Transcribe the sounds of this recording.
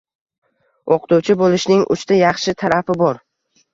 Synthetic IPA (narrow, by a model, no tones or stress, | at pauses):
oqt̪uwt͡ʃʰɪbolˠɪʃnɪŋʔʊ̰t͡ʃt̪ʰajɑχʃɪt̪ʰaɾafɪbɒɾ